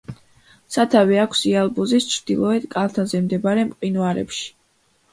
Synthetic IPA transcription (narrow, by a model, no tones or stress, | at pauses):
sat̪ʰaviakʰsialˠbuzist͡ʃʰɾd̪ilˠɔɛd̪kʼalˠt̪ʰazɛmd̪ɛbaɾɛmqʼinuaɾɛ̰pʃi̥